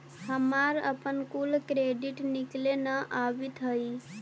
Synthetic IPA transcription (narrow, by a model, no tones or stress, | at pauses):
həmaɾə̰pənkulkɾeɖiʈniklenəʔabit̪ɦəj